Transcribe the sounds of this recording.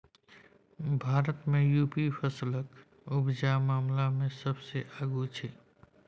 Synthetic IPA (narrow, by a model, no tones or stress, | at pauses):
bʱaːɾət̪mẽjuːpipʰəslək | ʊbd͡ʒamaːmlamẽsəbseʔaːɡut͡ʃʰeː